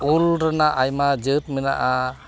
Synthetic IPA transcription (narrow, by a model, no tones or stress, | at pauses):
ulɾanaʔajmad͡ʒɯt̪̚mɛna̰ʔa